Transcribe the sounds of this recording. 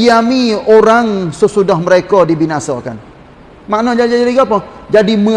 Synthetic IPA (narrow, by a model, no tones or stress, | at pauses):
ijamioɾaŋsəsudahməɾekɔdibinasa̰ka̰n | maʔnɔd͡ʒaid͡ʒad͡ʒaɾiɡapɔd͡ʒadimə